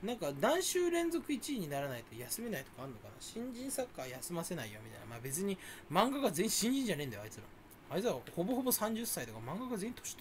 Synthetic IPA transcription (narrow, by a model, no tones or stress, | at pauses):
nãŋkad̪ãɰ̃ɕɨːɾẽ̞nzo̞kɯ̟it͡ɕiːɲ̟inaɾanait̪o̞jasɨme̞nait̪o̞̥kaːɾɯnokana̰ɕĩɲd͡ʑĩɰ̃sakːajasɨmase̞naijomʲit̪a̰ḭna̰ma̰ːbe̞t͡sɨɲ̟imãŋɡaɡaze̞ĩɕĩɲ̟d͡ʑĩɲd͡ʑanẽ̞nd̪ajoa̰it͡sɨɾã̰ | ait͡sɨɾaho̞bo̞ɦo̞bo̞sãɲ̟d͡ʑɨsːait̪o̞kamãŋɡaɡaze̞çĩĩ̥t̪ʰoɕi̥t̪